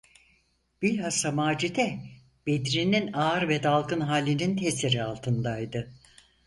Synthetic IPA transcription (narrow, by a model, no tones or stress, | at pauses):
b̥ilʲhasamaːd͡ʒid̪ɛ | b̥ed̪ɾininaːɾvɛd̪alˠkɯnɦaːlʲːinint̪ʰeseɾialˠt̪ʰɯnd̪ajd̪ɯ